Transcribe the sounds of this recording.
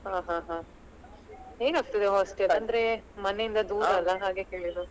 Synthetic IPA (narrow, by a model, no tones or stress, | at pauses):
ɦaːɦãːɦaː | ɦeːɡaːɡt̪id̪eɦɔːsʈelɐnd̪ɐɾemɐnejind̪ɐd̪uːɾaːlːɐɦaːɡe̞keːɭid̪u